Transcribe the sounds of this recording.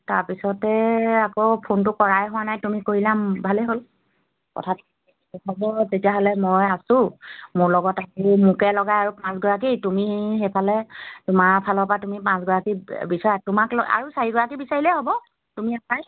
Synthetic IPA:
taɹpisɔtɛakopʰontʊkɔɹajɦʊwanajtumikoɹilambʱalɛɦol | kɔ̰tʰatʰ | ɔbɔtetijaɦɔlɛmɔjasʊ̃mʊɹlɔɡɔtakumukɛlɔɡajaɹupãsɡɔɹak̬itumixejpʰalɛtʊmaɹpʰalɔpatumipãsɡɔɹakibisaɹatʊmaklɔa̰ɹusaɹiɡɔɹakibisaɹilɛɦɔbɔ | tumiasaj

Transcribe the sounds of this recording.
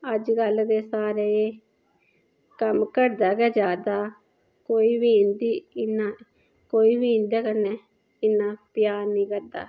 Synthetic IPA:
əd͡ʒɡəld̪eːsaːɾe | kəmkəɾd̪aːɡɛːd͡ʒaːd̪aː | koːiːbiːɪ̃nd̪iːɪnaː | koːiːbiːɪnd̪aːkənːeː | ɪnːaːpɪjaːniːkəɾd̪a̰ː

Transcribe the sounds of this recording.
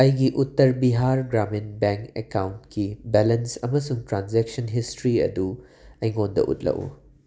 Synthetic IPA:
ɐjɡiʔutːɐɾbiɦaɾɡɾaminbeŋkḛkawntkʰibelɐnsɐmɐsuŋtɾanzeksɐnɦistɾiɐ̰du | ɐjŋondɐ̰ʔṵt̚lɐ̰wṵ

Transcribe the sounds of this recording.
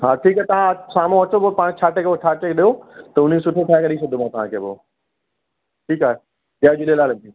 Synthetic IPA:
ɦaːʈʰiːkaɦet̪ɐʋ̤ãsaːmõɦɐt͡ɕobopãːɽ̃t͡ɕʰaːʈekʰebot͡ʃʰaːʈekʰeɗiot̪ɐʊnisʊʈʰeʈʰaːekeɗis̬ɐd̪ʱomãt̪ɐʋ̤ãkʰeːbo̰ː | ʈʰiːkaːɦe | ɗaːd͡ʑuɗelaːlɪnt̪i

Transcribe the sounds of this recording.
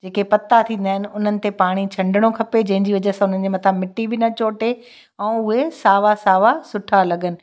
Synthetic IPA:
d͡ʑeːkepɐt̪ːat̪ʰĩːn̆d̪aːɦɪnɪ̆ʊn̤ənɪ̆t̪epaːɽ̃it͡ɕʰɐ̃ɳɖɪɽ̃okʰɐped͡ʑɐ̃ɦɪ̃ɲd͡ʑiʋɐd͡ʑəsãʊn̤ənɪ̆d͡ʑemɐt̪ʰamɪʈːibɪnɐt͡ɕoːʈe | ɛ̃ːʊɦesaːʋasaːʋasʊʈʰalɐɡənɪ̆

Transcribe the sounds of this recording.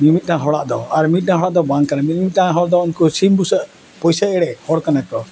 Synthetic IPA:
mimit̪̚ʈaãɦɔɽaʔd̪ɔaɾmit̪̚nãaɦɔɽaʔd̪ɔbaŋkanamit̪̚mit̪̚naãɦɔɽd̪ɔunkusimbusəʔ | pɔjsaɛɽɛhɔɽkanakɔ

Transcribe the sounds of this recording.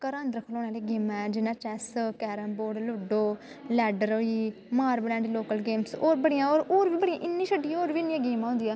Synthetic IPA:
kəɾãːnd̪ɾəkʰloːnaːleːɡeːmɛːd͡ʒɪnãːt͡ʃɛːskɛːɾəmboːɖlʊɖoː | lɛːɖəɾoːiː | maːɾblɛ̃ːɳɖloːkəlɡeːmsoːɾbəɽijãːoːɾoːɾʋiːbəɽĩːʔɪnːiːʃəɖːiːoːɾʋiːɪnːiːãːɡeːmãːɦʊ̃ːnd̪iːaː

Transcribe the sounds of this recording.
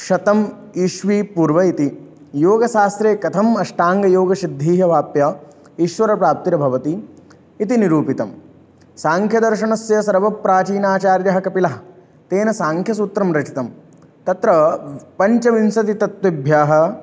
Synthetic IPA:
ʃɐt̪ɐm | iʃʋiːpuːɾʋɐit̪i | joːɡɐʃaːst̪ɾeːkɐt̪ʰɐmɐʃʈaːŋɡɐjoːɡɐʃid̪ʱːiːɦɐʋaːpjɐ | iʃʋɐɾɐpɾaːp̚t̪iɾɐbʱɐʋɐt̪iː | t̪iniɾuːpit̪ɐm | saːŋkʰjɐd̪ɐɾʃɐɳɐsjɐsɐɾʋɐpɾaːt͡ʃiːnaːt͡ʃaːɾjɐɦɐkɐpilɐɦɐ | t̪eːnɐsaːŋkʰjɐsut̪ɾɐmɾɐt͡ʃit̪ɐm | t̪ɐt̪ɾɐpɐɲt͡ʃɐʋinsɐt̪it̪ɐt̪ʋɐbʱjaːɦɐ̆

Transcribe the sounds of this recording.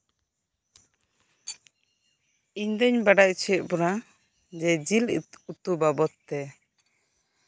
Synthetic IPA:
iɲd̪əɲbaɖac̚t͡ʃʰɛʔ̚bɔɾa | d͡ʒɛd͡ʒilut̪ubabɔt̪ːɛ

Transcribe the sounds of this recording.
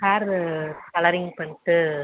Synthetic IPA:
kaːɾkɐlɐɾɪŋɡpɐɳʈːɯ

